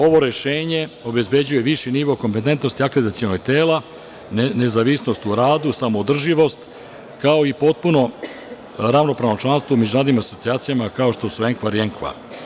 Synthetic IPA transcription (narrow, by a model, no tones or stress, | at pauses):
o̞ʋo̞ɾe̞ʃeːɲe̞o̞be̞zbe̞d͡ʑuje̞ʋiʃiniʋo̞ko̞mpe̞t̪ent̪no̞st̪iakled̪at̪sio̞noɡ̚t̪eːla | ne̞zaʋisnost̪uɾaːd̪usamo̞ːd̪r̩ʒiʋo̞st̪ | kao̞ipo̞t̪̚puno̞ | ɾaʋno̞pɾaʋnot͡ʃlˠanst̪vomed͡ʑunaːd̪nimaso̞tsiaːt̪sijamakao̞ʃt̪o̞sue̞ŋkʋaɾieŋkʋa̰